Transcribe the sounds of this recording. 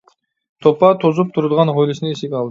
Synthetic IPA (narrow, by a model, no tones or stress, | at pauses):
t̪ʰopɑt̪ʰozup̚t̪ʰuɾlˠʁɑnʁojlʲˠisneisikʲɑlˠd̪